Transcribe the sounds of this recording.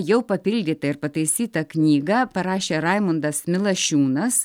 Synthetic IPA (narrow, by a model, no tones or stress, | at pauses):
jɛʊpɐpʲɪlʲd̪ʲiːt̪ɐɪɾpɐt̪ɐɪsʲiːt̪ɐknʲiːɡɐpɐɾɑːʃʲeːɾɐɪmʊnd̪ɐsmʲɪlˠɐʃʲuːnɐs